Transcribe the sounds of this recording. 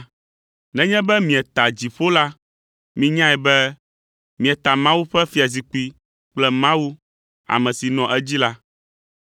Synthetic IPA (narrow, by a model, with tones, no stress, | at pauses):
nɛ̃˦ɲɛ̃˦bɛ˦mĩ˨ɛ˨t̪a˨d͡ʑi˨ɸo˦la˦ | mĩ˦ɲã˦ɛ˨bɛ˦ | mĩ˨ɛ˨t̪a˨mã˦wu˦ɸɛ˦fi˦a˨z̬i˨k͡pi˦ | k͡plɛ˦mã˦wu˦ | a̰˨mɛ̃˨si˨nɔ̃˨ʔɛ˦d͡ʑi˦la˦